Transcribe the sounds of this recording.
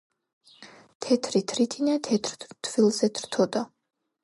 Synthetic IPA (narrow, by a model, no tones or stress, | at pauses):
t̪ʰɛt̪ʰɾit̪ʰɾit̪ʰinat̪ʰɛt̪ʰɾt̪ʰvilˠzɛt̪ʰɾt̪ʰɔd̪a